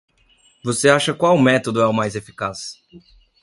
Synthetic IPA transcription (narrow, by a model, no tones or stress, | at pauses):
voseaʃɐkwawmɛt̪od̪ʊɛʊmajzefi̥kas